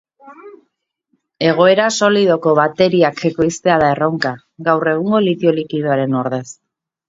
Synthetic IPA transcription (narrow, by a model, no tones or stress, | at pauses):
e̞ɣ̞o̞e̞ɾaso̞lið̞o̞ko̞βat̪e̞ɾiakeko̞jst̪e̞aðae̞rowŋka | ɡawre̞ɣ̞uŋɡo̞lit̪io̞likiðoaɾe̞noɾðe̞s